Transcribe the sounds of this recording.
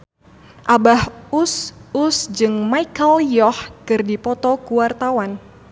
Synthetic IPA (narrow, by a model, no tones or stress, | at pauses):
ʔabahususd͡ʒɨŋmaikəljɔhkɨrdipɔt̪ɔkuwart̪awan